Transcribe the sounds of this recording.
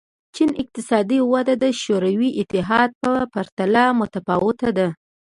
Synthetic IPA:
t͡ʃinɪq̚t̪ɪsɑd̪iwad̪ad̪əʃoɾawiʔɪt̪ɪɦɑd̪̚pəpaɾt̪alamʊt̪afɑwɪt̪ad̪a

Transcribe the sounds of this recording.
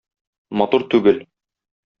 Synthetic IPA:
mɒt̪uɾt̪ʉɡɘl

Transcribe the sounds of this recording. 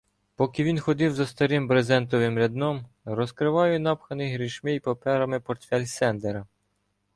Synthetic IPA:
pɔkʲɪʋʲinxɔd̪ɪwzɐst̪ɐɾɪmbɾezɛnt̪ɔʋɪmɾʲɐd̪nɔm | ɾɔskɾɪʋɑjʊnɑpxɐnɪɦɾʲiʃmɪjpɐpɛɾɐmɪpɔrt̪fʲɛlʲsɛnd̪eɾɐ

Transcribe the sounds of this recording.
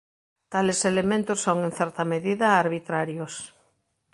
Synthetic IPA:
t̪aleselemẽnt̪osːoŋẽnθɛɾt̪ɐmeðiðɐːɾβit̪ɾaɾjos

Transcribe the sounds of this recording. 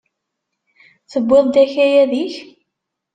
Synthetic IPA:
θəbːɪðˤd̪æçæjæðiç

